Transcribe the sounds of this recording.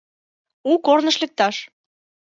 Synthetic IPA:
ukornə̆ʃlĕk̚t̪ɑʃ

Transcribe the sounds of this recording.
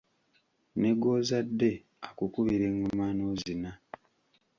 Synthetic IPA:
neɡo̞ːzadːe̞ | akukuβiɾeŋomaːnozina

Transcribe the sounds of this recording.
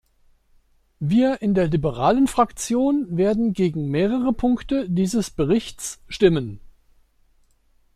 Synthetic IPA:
viːɐʔɪndeːɐlibəʁaːlənfʁ̥akt͡sjoːnveːɐdn̩ɡeːɡŋ̩meːʁəʁəpʰʊŋktədiːzəsb̥əʁɪçt͡sʃtɪmən

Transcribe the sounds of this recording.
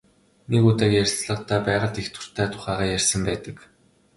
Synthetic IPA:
nekut̪aːkjærʲsɮə̆qt̪ʰæːpæːʁə̆ɮt̪ext̪ʰʊ̥r̥t̪ʰæːt̪ʰʊ̥χæːʁaːjærʲsə̆mpæːt̪ə̆k

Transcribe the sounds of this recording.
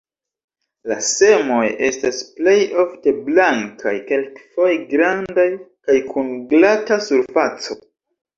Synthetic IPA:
lase̞mo̞je̞stasple̞jo̞fte̞blaŋkʰa̰jke̞lkfo̞jɡɾandajkajkʰunɡlatasuɾfat͡so̞

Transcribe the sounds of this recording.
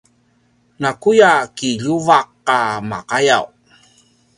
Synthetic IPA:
nakujakiʎuvaqːama̰qajaw

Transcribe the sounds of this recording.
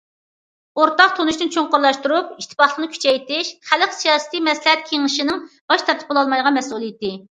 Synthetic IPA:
oɾt̪ɑqt̪ʰonuʃt̪ɨnt͡ʃʰoŋqʊɾlˠɑʃt̪uɾupiʃt̪ʰɨ̥pɑχlˠəqnɨkʲʰy̥t͡ʃʰɛjt̪ɪʃχæləqsijɑːsɨ̥t̪ijmɛslɪɦɛt̪̚kʲʰeŋɨʃɪnɨŋb̥ɑʃt̪ʰɑɾt̪ʰɨ̥polˠɑlˠmɑjd̪əʁɑmɛsulˠɨjt̪ɪ

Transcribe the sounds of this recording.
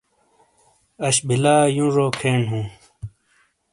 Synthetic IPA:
ɐɕbʱilaːjũɾoːkʰeːnɦũː

